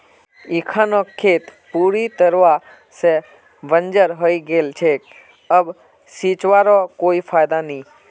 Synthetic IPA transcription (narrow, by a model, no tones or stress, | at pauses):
ikʰãnokʰːeːt̪puːɾit̪əɾʋa | se | ʋənd͡ʒəɾɦəiɡeːlt͡ʃʰeː | əb | siːt͡ʃʋaɾokoːifʰaːjd̪anĩː